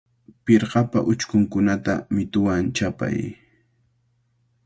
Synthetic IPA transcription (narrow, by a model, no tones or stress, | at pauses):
pɪɾɢɑpa̰ʔʊt͡ʃkʊŋkʊnat̪a̰mɪt̪ʊwant͡ʃapa̰j